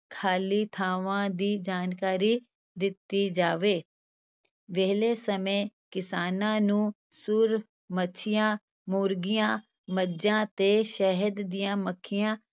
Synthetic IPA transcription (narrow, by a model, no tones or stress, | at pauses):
kʰaːliːt̪ʰaːʋãːd̪iːd͡ʒaːnkaːɾiː | d̪ɪt̪ːiːd͡ʒaːʋeː | ʋɛːɦleːsəmẽːkɪsaːnãːnũː | sʊɾ | mət͡ʃʰɪjãː | moːɾɡɪjãː | məd͡ʒãːt̪eːʃɛɦəd̪ːɪjãːməkʰːɪjãː